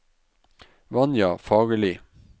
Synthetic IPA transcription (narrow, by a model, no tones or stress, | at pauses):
ʋɑnjɑːfɑːɡəlɪ